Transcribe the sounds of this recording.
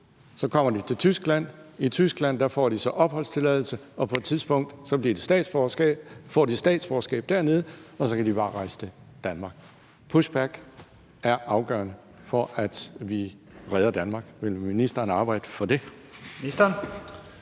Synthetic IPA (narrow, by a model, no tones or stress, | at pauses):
sɒ̽kʰɒ̽m̰ɐd̥it͡sʰe̝lt͡sʰysɡ̥læn̰it͡sʰysɡ̥læn̰d̥æfɒ̰ːd̥isɒ̽ʔɒ̽b̥hɒ̽l̰st͡sʰe̝lɛðˠl̩səɒ̽pʰɒ̽e̝d̥t͡sʰiðˠsb̥ɔ̽ŋ̰d̥sɒ̽b̥liɐd̥e̝̥sd̥ɛ̰ːd̥sb̥ | fɒ̰ːd̥isd̥ɛ̰ːd̥sb̥ɒːsɡ̥ɛ̰ːb̥̚d̥æɐne̝ð̞ˠəɒ̽sɒ̽kʰæd̥ib̥ɑ̈ːʁɑ̈ɪsə̥t͡sʰe̝ | d̥ænmɑ̈ːɡ̥ | pʰusb̥æɡ̥ | æɐɑ̈ʊɡ̥ɶ̰ːɐnə | fɒ̽ʔæd̥ʋi | ʁɛðˠɐd̥ænmɑ̈ːɡ̥ʋe̝lminisd̥ɐːnɑ̈ːb̥ɑ̈ɪ̰d̥əfɒ̽d̥e̝ | isd̥ɐn